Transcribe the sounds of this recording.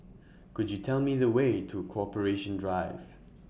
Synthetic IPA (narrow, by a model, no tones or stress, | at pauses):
kʊd͡ʒjɨtʰɛlˠmiðəweɪtʰəəkʰoɔpəɹeʃə̃ndɹaɪv̥